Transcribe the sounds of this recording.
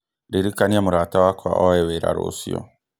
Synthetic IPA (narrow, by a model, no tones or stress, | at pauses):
ɾiɾikaniamuɾatawakwa̰ʔoɛweɾa̰ɾo̰sḭɔ̰